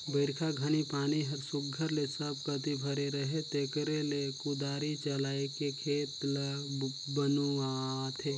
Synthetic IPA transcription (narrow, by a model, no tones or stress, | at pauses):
bəɪɾkʰaɡʱənipaːniɦəɾsʊɡʱəɾlesəb̚ʱkət̪ibʱəɾeɾəɦet̪ekɾelekud̪aːɾit͡ʃəlaekekʰeːt̪l | bənuat̪ʰe